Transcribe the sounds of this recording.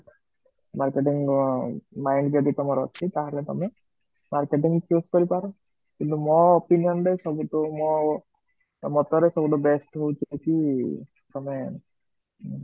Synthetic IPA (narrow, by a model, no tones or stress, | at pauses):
maɾkeʈiŋ | majɳɖd͡ʒɔd̪it̪ɔmɔɾɔ̰t͡ʃʰit̪aɦalet̪ɔ̰me | maɾkeʈiŋt͡ʃuskɔɾipaɾɔ | kint̪umɔːpinijɔnɾesɔbuʈɔmɔ | mɔt̪ɔɾesɔbuʈɔbesʈɦowt͡ʃajt͡ʃʰi | t̪ɔme